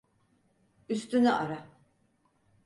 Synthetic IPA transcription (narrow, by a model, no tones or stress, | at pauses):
yst̪ynyʔaɾa